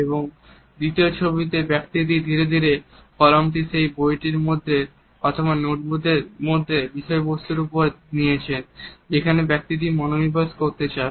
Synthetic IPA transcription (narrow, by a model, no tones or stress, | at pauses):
eboŋ | d̪it̪iot͡ɕʰobit̪̬ebɛk̚t̪id̪id̪ʱiɾed̪ʱiɾefɔɾamʈiʃejbojʈiɾmod̪ʱːe | ɔt̪ʰobanoʈbud̪ʱeɾmod̪ʱːebiʃɔebost̪uɾupoɾnijet͡ɕʰend͡ʑekʰanebɛk̚t̪id̪imɔnonibaskoɾt̪et͡ɕae